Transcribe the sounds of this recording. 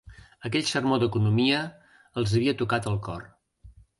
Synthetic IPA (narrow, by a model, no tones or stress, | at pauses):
əkɛʎsərmod̪əkunumiəː | lˠzəβiət̪ukat̪əlˠkɔr